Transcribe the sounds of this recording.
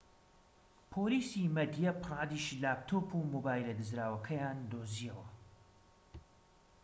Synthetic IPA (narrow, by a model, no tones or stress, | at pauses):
pʰoːliːsimɐd̪ijɐpɨrˤɑːd̪iʃlaːpt̪ʰoːpʰumobaːjlɐd̪ɨzɾaːwɐkʰɐjaːnd̪oːziɐwɐ